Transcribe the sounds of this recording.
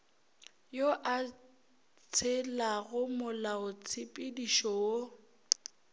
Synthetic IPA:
joʔa | t͡sʰɪlaɣʊmʊlaʊt͡sʰɪpʼɪdiʃɔo

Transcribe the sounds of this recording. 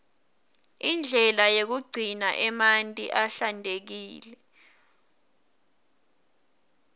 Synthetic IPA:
ind͡ɮʱɛlajek̬uɡ͡ǀʱinaʔɛmantʼiʔaɬandʱek̬iːlɛ

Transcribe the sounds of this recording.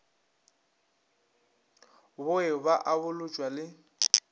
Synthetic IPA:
bʊɪbaʔabʊlʊt͡ʃʼwalɪ

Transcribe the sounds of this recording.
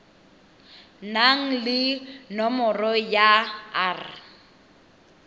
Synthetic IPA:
naŋ̩lɪnɔmɔrɔjaaːrɪ

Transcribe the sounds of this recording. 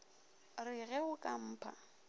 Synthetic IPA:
rɪɣɛʊkʼam̩ːpʰa̰

